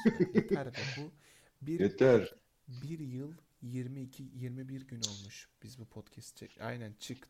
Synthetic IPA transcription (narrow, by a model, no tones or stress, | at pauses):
t̪aɾvɛbu | biɾet̪ʰæɾ | biɾjɯlˠ | jiɾmiːcʰijiɾmibiɾɟyno̞lˠmuʃb̥izbupʰot̪cʰɛst̪t͡ʃʰɛa̰jnænt͡ʃʰɯk